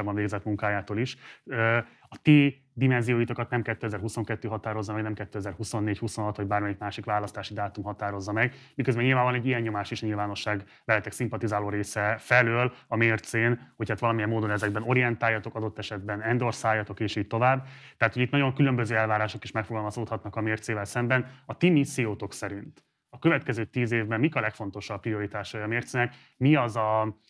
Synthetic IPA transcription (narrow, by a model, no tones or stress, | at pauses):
bɒɱveːɡzɛt̪muŋkaːjaːt̪oːliʃø | ɒt̪iː | d̪imɛnzijoːjit̪okɒt̪nɛmkɛt̪ːøɛzɛrɦuso̞ŋkɛt̪ːøːɦɒt̪aːɾo̞zːɒmɛɡnɛmkɛt̪ːøːɛzɛrhuso̞nːeːchuso̞nɦɒt̪ho̞ɟbaːɾrmɛjikmaːʃikʋaːlɒst̪aːʃid̪aːt̪umɦɒt̪aːɾo̞zːɒmɛɡmikøzbɛnɲilvaːmbɒlnɛɟːijɛɲːo̞maːʃiʃɲilvaːno̞ʃːaːɡ | bɛlːɛt̪ɛksimpɒt̪izaːloːɾeːsɛfɛløːlɒmeːrt̪seːnho̞chaːt̪ʋɒlɒmijɛmːoːd̪o̞nɛzɛɡ̚bɛno̞ɾijɛnt̪aːjːɒt̪o̞kɒd̪o̞t̪ːɛʃɛd̪̚bɛnɛnd̪o̞rsaːjːɒt̪o̞keːʃiːɟ̚t̪o̞vaːbːt̪ɛɦat̪ho̞ɟit̪nɒɟo̞ŋkylø̞mbøzøːɛlvaːɾaːʃo̞kiʃmɛkfoɡɒlmɒsoːt̪hɒt̪nɒkɒmeːrt̪seːvɛlsɛmbɛnɒt̪imisːijoːt̪o̞ksɛɾint̪ | ɒkøvɛt̪kɛzøːt̪iːzeːvbɛmːikɒlɛkfo̞n̪t̪o̞ʃɒpːrio̞ɾit̪aːʃɒjɒmeːrt̪seːnɛk | miɒzɒ